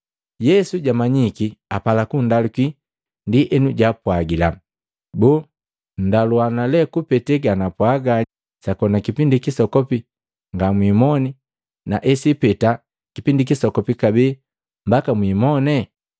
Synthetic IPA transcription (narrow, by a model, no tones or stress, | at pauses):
jɛsuɟamaɲikiapalakundaluki | ndiʔɛnuɟapwaɡila | buː | n̩daluanalɛkupɛtɛɡanapwaɡa | sakɔnakipindikisɔkɔpi | ŋɡamwimɔni | naʔɛsipɛta | kipindikisɔkɔpikabɛː | mbakamwimɔnɛ